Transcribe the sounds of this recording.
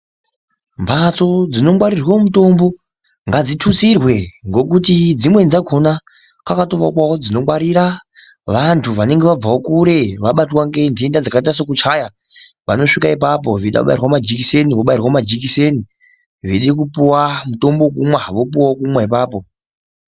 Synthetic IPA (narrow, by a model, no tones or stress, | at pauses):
mbʱat͡so̞d͡zino̞mwaɾirwamuto̞mbo̞ | ŋɡad͡zitʰut͡sirwe̞ŋɡo̞kutid͡zimwe̞nd͡zaɡʰʱo̞na | kakatoʋakwaod͡zino̞mwaɾiɾa | ʋantʰuʋane̞ŋɡe̞ʋab͡vaokuɾe̞ʋaɓatwaŋɡe̞ndiendad͡zakaitas̬okut͡ʃaja | ʋa̰no̞ʂikaip̬ap̬o̞ʋiɗa̰kuɓa̰irwamad͡ʒikise̞niʋoɓairwamad͡ʒikise̞ni | ʋeɗek̬upuwamuto̞mbok̬umwaʋo̞puwaokumwaipaːpo̞